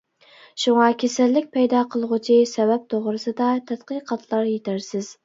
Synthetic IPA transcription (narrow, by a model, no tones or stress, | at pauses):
ʃuŋɑkʲʰesælːɪk̚ʲpʰɛjd̪ɑqʰəlˠʁut͡ʃʰisɛbɛp̚t̪ʰoʁɾɨsɨd̪ɑt̪ʰɛt̪qəqʰɑt̪ʰlˠɑɾjet̪ʰæɾsɪz̥